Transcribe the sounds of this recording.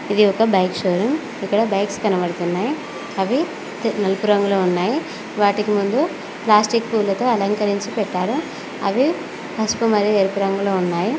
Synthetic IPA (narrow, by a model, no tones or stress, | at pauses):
id̪iɔkɐbɐjkʃoːɾim | ikːɐɽɐbɐjkskɐnɐbɐɽut̪unːaːji | ɐʋi | nɐlupuɾɐŋɡuloːunːaːji | ʋaːʈikimund̪u | plaːsʈikpuːlːɐt̪o̞ːɐlɐŋkɐɾiɲt͡ʃipɛʈːaːɾu | ɐ̰ʋi | pɐspumɐɾijeɾupuɾɐŋɡuloːunːaːji